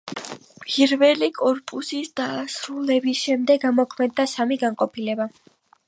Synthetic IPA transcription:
pʰʼiɾvɛlikʼɔɾpʼusisd̪̥asɾulɛbisʃɛmd̪ɛɡamɔkʰmɛd̪ːasamiɡanqʼɔpʰilɛba

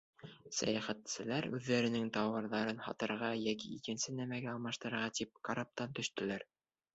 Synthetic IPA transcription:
sæ̰jæχæt̪sɘ̆læɾʉðːæɾɘ̆nɘŋt̪ɑwɤ̆ɾðɑɾɤnhɑ̰t̪ɤ̆ɾʁɑjækiikɘ̆nsɘnæmæɡæɑlˠmɑʃt̪ɤ̆ɾɤ̆ɾʁɑt̪ip̚kaɾap̚t̪ɑnt̪ɵ̆ʃt̪ɘ̆læɾ

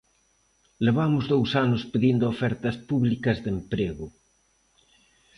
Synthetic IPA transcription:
leβamʊzðowsanʊspeðind̪oofɛɾt̪ɐspuβlikɐzðempɾeɣʊ

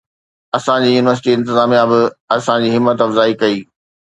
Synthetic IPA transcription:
ɐsãd͡ʑiːjuːnɪʋəɾs̬ɪʈiɪ̃nt̪ɪzaːmijãbɪɐsãd͡ʑiːɦɪmːət̪ɐfzaːikɐiː

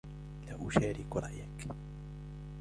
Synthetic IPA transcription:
laʔuʃaːɾikuɾˤɑ̰ʔjak

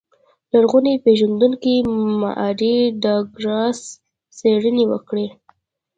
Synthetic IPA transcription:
laɽɣunepeʒand̪uŋkima̰ʔaɾiɖɑɡɾɑsː | eɽənewə̰kɽe

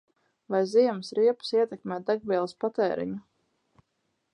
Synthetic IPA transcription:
vajziɛmsɾiɛpsiɛt̪ɛkmʲɛːt̪d̪aɡ̚bʲiɛlˠaspat̪ɛːɾḭɲu

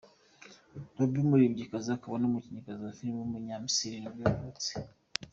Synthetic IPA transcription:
nobimuɾibɟikaziakaβanomuciɲikaziafiɾimmuɲamisiɾinibjaβot͡se̥

